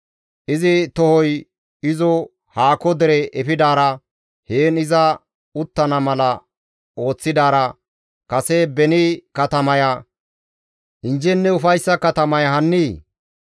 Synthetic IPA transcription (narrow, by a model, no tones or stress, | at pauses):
ʔɪzɪt̪ɔhɔj | ɪzɔ | haːkɔd̪ɛɾɛʔɛfɪd̪aːɾɐ | heːnɪzɐ | ʊt̪ːɐnɐmɐlɐ | o̞ːt͡sːɪd̪aːɾɐ | kɐsebɛnikɐt̪ɐmɐjɐ | ʔɪnd͡ʒɛnːɛʊfɐjsːɐkɐt̪ɐmɐjɐɦɐnːiː